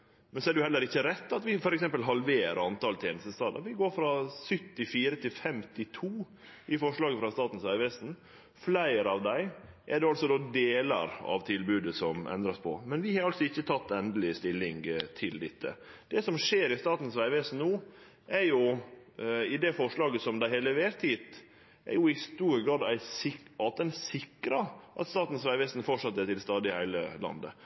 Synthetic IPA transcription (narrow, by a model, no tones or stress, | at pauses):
mɛnsɔɛɖɛjʊhɛlːəɾɪçːəɾɛt̪ːɑt̪ʋɪfɔɾɛksɛmpəlɦɑlʋeːɾɑnt̪ɑlt̪ʰjeːnəst̪əst̪ɑːd̪əɾʋɪɡoːɾfɾɑsʏt̪ːɪfiːɾət̪ʰɪlfɛmt̪ɪt̪ʰuː | ʔɪfɔʂɭɑːɡəfɾɑst̪ɑːt̪n̩sʋæɪʋɛsn | flæɪɾɑʋd̪æɪʔɛɖɛɑlt̪sɔd̪oːd̪eːlɑ̰ɾɑ̰ʋt̪ʰɪlbʉːd̪əsɔmʔɛ̰nd̪ɾɑspʰɔ̰mɛnʋɪhɑɾɑlsɔɪçːət̪ʰɑt̪ːɛnd̪əlɪst̪ɪlːɪŋt̪ʰɪld̪ɪt̪ːə̰d̪̥ɛsɔmʂeːɾɪst̪ɑːt̪n̩sʋæɪʋɛsn̩nuː | ʔæɾjʊ | ɪd̪ɛfɔʂlɑːɡəsɔmd̪æɪheːləʋeːɾt̪ʰiːt̪ | ʔæ̰ɾjʊɪst̪uːɾəɡɾɑːd̪æɪsɪɑt̪̚ɛnsɪkɾɑʔɑ̰t̪st̪ɑːt̪n̩sʋæɪʋɛst̪n̩fɔʂɑt̪ːət̪ɪlst̪ɑːd̪ɪɪhæɪlə̰lɑ̰nd̪ə̰